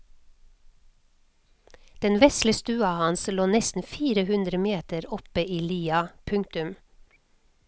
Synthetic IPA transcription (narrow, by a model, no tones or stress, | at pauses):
d̪̥ɛnʋɛsləst̪ʉːɑhɑnsloːnɛst̪n̩fiːɾəhʉnd̪ɾəmeːt̪əɾɔpəʔiːliːɑpʰʉŋt̪ʉm